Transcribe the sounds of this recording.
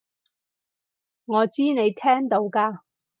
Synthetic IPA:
ŋɔː˨˧t͡siː˥ne˨˧jt̪ʰɛː˥ŋt̪o˨˧wkaː˧

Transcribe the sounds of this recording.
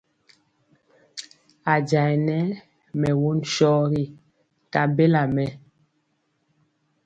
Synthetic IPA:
a˨d͡ʒa˨jnɛ˦ | mɛ˨wu˦nʃɔ˦ɾi˦ | ta˨be˦la˨mɛ˨

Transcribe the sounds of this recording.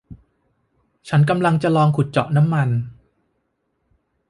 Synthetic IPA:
t͡ɕʰa˦˥nk̬a˧mla˧ŋt͡ɕa˨lɔː˧ŋkʰu˨˩t̪̚t͡ɕɔ̰˨˩ʔna˦˥mːa˧n

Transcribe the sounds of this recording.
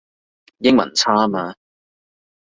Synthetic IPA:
jɪ˥ŋmɐ̰˨˩nt͡sʰaː˥maː˧

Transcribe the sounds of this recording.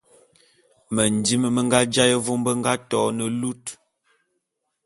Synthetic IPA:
mə˨n˨di˦mə˦mə˦ŋɡa˦d͡ʒa˦jə˦vo˦m˦bə˦ŋɡa˦tɔ˨˦nə˨lu˦t

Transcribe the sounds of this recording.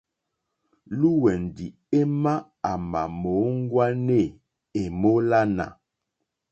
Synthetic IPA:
lu˦wɛ˨n˨di˨ | e˦ma˦ | a˨ma̰˨mo˨˦ŋ˦ɡwa˦ne˦˨ | e˨mo˦la˦na̰˨

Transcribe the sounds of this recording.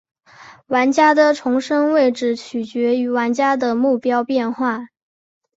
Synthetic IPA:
wa˧˥nt͡ɕja˥d̪ə˨ʈ͡ʂʰʊ˧˥ŋʂɤ˥ŋwe˥˩ɪʈ͡ʂɻ̩˨˩t͡ɕʰy˨˩t͡ɕɥɛ˧˥y˧˥wa˧˥nt͡ɕja˥d̪ə˨mu˥˩pjɑ˥ʊpjɛ˥˧nxwa˥˩

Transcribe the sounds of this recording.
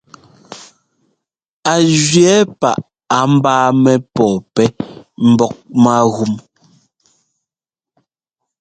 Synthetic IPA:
a˨ʒɥɛ˨˦pa˨ʔ | a˨m̩˦baː˦mɛ˦pɔː˨pɛ˦m̩˨bɔ˦k̚ma˦ɣu˦m

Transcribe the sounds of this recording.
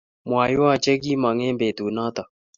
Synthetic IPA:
mwa˨ju˦a˦˨t͡ʃɛ˦ɡi˦ma˨ŋɛ˦mbe˨t̪u˨na˦t̪a˨

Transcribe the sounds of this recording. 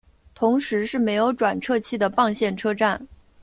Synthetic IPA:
t̪ʰʊ˧˥ŋʂɻ̩˧˥ʂɻ̩˥˩me˧˥ɪjo˧˥ʊʈ͡ʂwa˨˩nʈ͡ʂʰɤ˥˧t͡ɕʰi˥˩d̪ə˩pɑ˥˧ŋɕjɛ˥˩nʈ͡ʂʰɤ˥ʈ͡ʂa˥˩n

